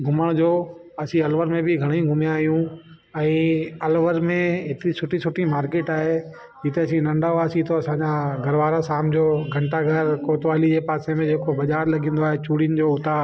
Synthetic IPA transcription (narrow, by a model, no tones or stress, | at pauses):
ɡʱʊməɽ̃d͡ʑoː | ɐsĩɐlʋəɾmẽbɪɡʱɐɽ̃ĩɡʱʊmijãːɦijũ | ɛ̃ːɐlʋəɾmẽɦɪt̪ɪɾisʊʈisʊʈĩmaːɾkeːʈaːɦe | d͡ʑɪt̪eɐsĩnɐ̃ɳɖaoaːsit̪ʰoɐsãɲd͡ʑãɡʱɐɾʋaːɾasaːmd͡ʑoːɡʱɐ̃ɳʈaɡʱɐɾkoːt̪ʋaːlid͡ʑeːpaːsemẽd͡ʑeːkobɐʄaːɾlɐɡʱĩːn̆d̪oaːɦet͡ɕuːɽijənɪ̆d͡ʑoːʊt̪a